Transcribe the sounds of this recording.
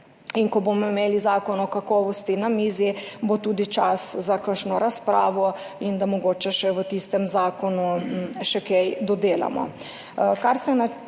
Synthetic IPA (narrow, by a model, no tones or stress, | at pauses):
inkɔbomɔimeːlizaːkɔnɔkakɔːʋɔst̪inamiːzibot̪uːd̪it͡ʃaszakəʃnɔɾaspɾaːʋɔ | ind̪amɔɡoːt͡ʃɛʃɛʋət̪ist̪ɛmzaːkɔnuʃɛkejd̪ɔd̪eːla̰mɔ̰ | kaɾsɛna